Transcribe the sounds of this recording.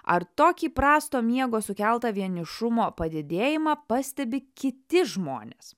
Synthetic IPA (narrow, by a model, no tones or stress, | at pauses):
ɐ̰ɾt̪oːkʲiːpɾɑːst̪oːmʲiɛɡoːsʊkʲɛlˠt̪ɐʋʲiɛnʲɪʃʊmoːpɐd̪ʲɪd̪ʲeːjɪmɑːpɐsʲt̪ʲɛbʲɪkʲɪt̪ʲɪʒmo̰ːnʲeːs